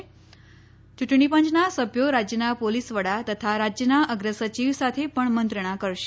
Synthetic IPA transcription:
t͡ɕuʈʰɳ̃ipə̃ɲt͡ɕnasəbjoɾad͡ʑjənapolisʋəɽat̪ət̪ʰaɾad͡ʑjənaʔəɡɾəsət͡ɕiʋsat̪ʰepəɳmənt̪ɾəɽ̃akəɾʃe

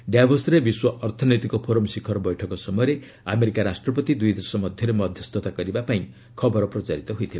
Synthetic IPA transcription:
ɖjabʱʌsɾebiswʌʔʌrt̪ʰɔnʌjt̪ikopʰoɾʌmsikʰːʌɾbʌjʈʰʌkɔsʌmʌjɾe | ameɾikaɾasʈrʌpʌt̪id̪ujd̪ʌrsʌmʌd̪ʱjʌɾemʌd̪ʱjʌst̪ʰot̪aɡʌɾibapaĩ | kʰʌbʌɾprʌt͡saɾit̪ʌɦujt̪ʰila

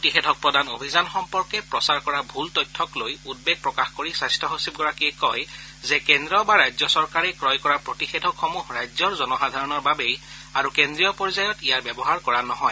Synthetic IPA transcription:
potixedʱɔk̚pɹɔdanobʱizanxɔmpɔɹkɛpɹɔsaɹkɔɹabʱultɔjtʰːɔklojud̚beɡ̚pɹɔkaxkoɹisajstɔɦosib̚ɡɔɹakiɛkɔjzɛkendɹɔbaɹajzɔsɔɹkaɹɛkɹɔjkɔɹapɹotixedʱɔkxomuhɹajzɔɹzɔnɔxadʱaɹɔnɔɹbabej | aɹukendɹijɔpɔɹzajɔtijaɹbjɛbɔɦaɹkɔɹanɔɦɔj

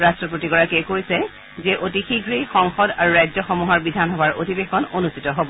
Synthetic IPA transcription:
ɹastɹɔpotiɡɔɹakɛkoɹisɛ | zɛʔotixiɡʱɹixɔŋxɔdaɹuɹajzɔxɔmuɦɔɹbidʱanxɔbaɹotibexɔnonustitɔɦobɔ

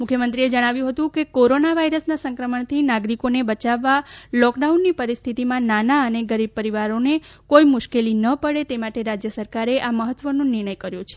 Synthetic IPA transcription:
mʊkʰjəmənt̪ɾied͡ʒəɽ̃aʋjũɦət̪ũkekoɾonaʋaiɾəsnasə̃ŋkɾəməɳt̪ʰinaɡɾikonebət͡ʃaʋːalɔkɖaunːipəɾist̪ʰit̪imãnanaəneɡəɾib̚pəɾiʋaɾonekojmʊʃkelinəpəɽet̪emaʈeɾad͡ʒjəsəɾkaɾeʔaməɦət̪ʋənõnɪɾɳ̃əjkəɾjõt͡ʃʰe̥

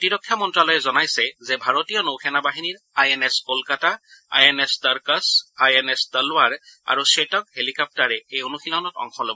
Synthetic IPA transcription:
tiɹɔkʰːjamɔntɹalɔjɛzɔnajsɛzɛbʱaɹotijɔnowkʰɛnabaɦiniɹ | ajeneskolkataa̰jenestaɹkasajenesdalʊwaɹa̰ɹusetɔkhelikap̚taɹɛejonuxʰilɔnɔtɔ̰ŋxʰɔlɔbɔɔ

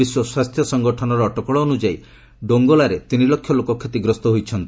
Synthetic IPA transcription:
iswɔswast̪ʰjɔsɔŋɡɔʈʰɔnɔɾɔːʈɔkɔɭɔonud͡ʒai | ɖoŋɡɔlaɾet̪inilɔkʰːjɔlokɔkʰːjet̪iɡɾɔst̪ɔɦojt͡ʃʰɔnt̪i

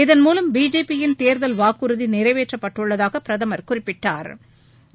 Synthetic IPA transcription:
ɪðɐnmuːlɐmbiːd͡ʒeːpːɪjɪnt̪eːɾðɐlʋaːkːɯɾɯðinɪɾɐɪʋeːʈrɐpːɐʈːɯɭːɐðaːɣɐpɪɾɐðɐmɐɾkʊrɪpːɪʈːaːɾ

